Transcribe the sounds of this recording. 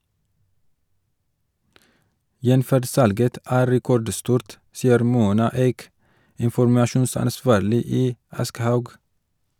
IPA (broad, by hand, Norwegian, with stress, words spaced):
ˈjɛnfæɖ ˈsɑlɡət ˈæː ɾɛˈkɔɖˌstuːɾt ˈsiːəɾ ˈmuːnɑ ˈeːk ɪnfɔɾmɑˈʃuːnsɑnˌsʋɑːɾlɪ ˈiː ˈɑskəhɑʉɡ